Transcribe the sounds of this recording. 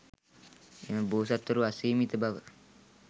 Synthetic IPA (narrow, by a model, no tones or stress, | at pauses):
eməboːs̬at̪ːəɾuasiːmit̪əbaʋə